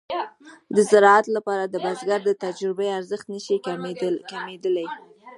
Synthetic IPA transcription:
d̪əzɪɾɑat̪lapɑɾad̪əbazɡaɾd̪ət̪ad͡ʒɾɪbejaɾzəxt̪nəʃikamed̪əlaj

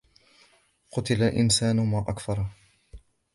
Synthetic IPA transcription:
qʊt̪ɪlaʔɪ̰nsaːnʊmaːʔakfɑɾˤ

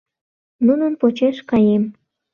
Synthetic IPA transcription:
nunənpot͡ɕeʃkɑjem

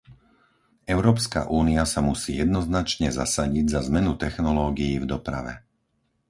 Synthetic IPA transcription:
ʔɛʊɾɔːpska̰ʔuːniasamusiːjɛd̪nɔznat͡ʃɲɛza̰saɟiɟzazmɛnut̪ɛxnɔlɔːɡijiːvd̪ɔpɾa̰ʋɛ̰

